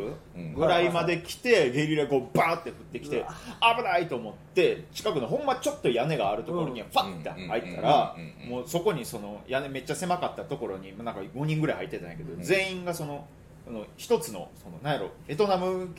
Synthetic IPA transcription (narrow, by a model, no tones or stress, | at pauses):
ɡɯ̟ɾaimad̪e̞kʲi̥t̪e̞ɡe̞ɾʲiɾeɡobaːt̪ːe̞ɸɯ̟t̪ːe̞kʲi̥t̪e̞abɯ̟d̪ait̪o̞ːmo̞t̪ːe̞t͡ɕi̥kakɯ̟noɦõ̞mːat͡ɕo̞t̪ːo̞jane̞ɡaːɾɯ̟t̪o̞ko̞ɾo̞ɲ̟iβaɸat̪ːḛ̃hait̪ʰːa̰ɾamoːso̞ko̞ɲ̟iso̞no̞jʔane̞me̞t͡ɕːase̞makat̪ːat̪o̞ko̞ɾo̞ɲ̟imonãŋkaɡo̞ɲ̟ĩŋɡɯ̟ɾaihait̪ːe̞t̪ãja̰ke̞d̪o̞d͡zẽ̞ːĩŋɡaso̞no̞ | no̞çi̥t̪o̞t͡sɨno̞̰so̞no̞̰nãɰjaɾo̰e̞t̪o̞namɯ̟